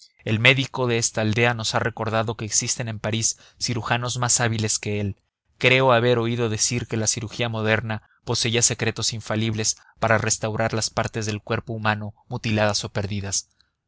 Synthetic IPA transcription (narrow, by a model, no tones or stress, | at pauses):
e̞lme̞ðiko̞ðe̞est̪aːld̪e̞ano̞sare̞ko̞ɾð̞aðo̞ke̞ːksist̪e̞ne̞mpaɾisː | iɾuxano̞zmasaβ̞ile̞ske̞el | kɾe̞oaβe̞ɾo̞iðo̞ðe̞siɾke̞lasiɾuxiamo̞ð̞e̞ɾna | po̞se̞iase̞kɾe̞t̪o̞siɱfaliβle̞s | paɾare̞st̪awɾaɾlaspaɾt̪e̞zðe̞lkwe̞ɾpo̞umano̞mut̪ilað̞aso̞pe̞ɾðiðas